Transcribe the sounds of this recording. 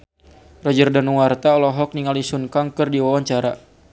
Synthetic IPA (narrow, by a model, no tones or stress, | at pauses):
rɔd͡ʒərdanuwart̪aɔlɔɦɔk̚niŋalisunkaŋkɨrdiwawaɲt͡ʃaɾa̰